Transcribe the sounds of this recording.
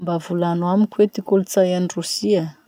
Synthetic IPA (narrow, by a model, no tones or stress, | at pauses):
mbavulanwamikwet̪ikulut͡sajanirusia